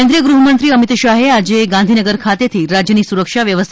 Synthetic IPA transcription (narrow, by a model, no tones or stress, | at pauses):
end̪ɾijəɡɾuɦəmənt̪ɾiːəmit̪ʃaɦead͡ʑeɡãnd̪ʱinəɡəɾkʰat̪et̪ʰiːɾad͡ʑjənisuɾəkʂaʋjəʋəst̪ʰ